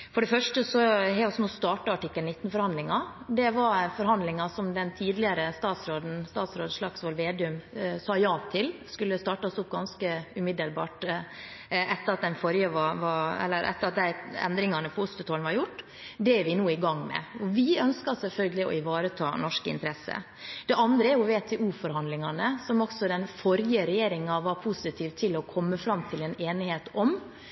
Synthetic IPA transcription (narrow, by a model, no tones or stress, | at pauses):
fɔɖɛfœʂʈəsɔhɛɾɔsɔmɔst̪ɑːʈəɑʈɪkːəlnɪt̪ːnfɔɾhɑnd̪lɪŋɑd̪ɛʋɑɾfɔɾɦɑnd̪lɪŋɑsɔmd̪ɛnt̪ʰiːd̪lɪəɾəst̪ɑːt̪sɾoːd̪n̩st̪ɑːt̪sɾoːd̪əʂɭɑksʋɑlʋeːd̪ɪʉmsɑːjɑːt̪ʰɪlskʉlːəst̪ɑːʈɑɔsʊp̚ːɡɑnskəʉmɪd̪əlbɑ̰ːʈ | ʔɛt̪ːəɾɑt̪̚d̪ɛnfɔɾjəʋɑʋɑɛ̰lːəɾʔɛ̰t̪ːəɾɑt̪̚d̪æɪɛ̰nd̪ɾɪŋɑnəpʰɔʊst̪ət̪oːln̩ʋɑɾjʊʈː | d̪ɛæɾʋɪnuːɪɡɑŋːmɛ̰ɔʋɪœnskɑsɛlfœlɡəlɪɔ̰ɪʋɑːɾət̪ʰɑ̰ːnɔʂkɪ̰nt̪əɾɛsːə̰ | d̪̥ɛʔɑnd̪ɾəæɾjʊʋeːt̪ʰɛʔuːfɔɾhɑnd̪lɪŋɑnəsɔmɔksɔd̪ɛnfɔɾjəɾɛjeːɾɪŋɑʋɑɾpʰusɪt̪ʰiːʋt̪ʰɪlɔkʰɔmːəfɾɑmt̪ʰɪlɛneːnɪheːt̪ɔm